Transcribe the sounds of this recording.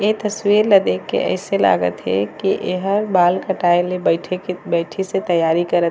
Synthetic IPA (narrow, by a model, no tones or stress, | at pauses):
et̪əswiɾləd̪ekːḛʔə̰ɪsela̰ɡə̰t̪ɦɛ̰kiʔeɦəɾbaːlkəʈaelebəʈʰebəɪʈʰiset̪əjaːɾikəɾət̪